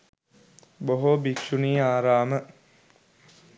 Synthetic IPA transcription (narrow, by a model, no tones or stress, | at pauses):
boɦobikʃuniːaːɾaːmə